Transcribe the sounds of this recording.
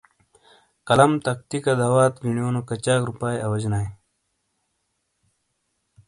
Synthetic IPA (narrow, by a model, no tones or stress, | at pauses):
kɐlɐmt̪ɐk̚t̪ikad̪aːwaːt̪ɡiɳijoːnokɐt͡ɕaːkɾupaːjɐwɐd͡ʑnaːj